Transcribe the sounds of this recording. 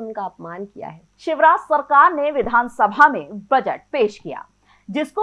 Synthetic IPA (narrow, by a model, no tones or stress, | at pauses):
ʊnkaɐpmaːnkija̰ɦɛːʃɪʋɾaːt͡ʃsɐɾkaːɾneʋɪd̪ʱaːnsɐbʱamẽbɐd͡ʒə̰ʈ̚peːʃkija̰ː | d͡ʒɪsko